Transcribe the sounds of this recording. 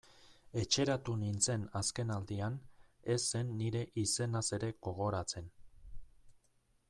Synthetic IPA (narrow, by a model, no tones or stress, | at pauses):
e̞t͡ʃe̞ɾat̪unint͡se̞naske̞nald̪iane̞se̞nːiɾe̞ʔise̞nase̞ɾe̞ɡ̥o̞ɣ̞o̞ɾat͡se̞n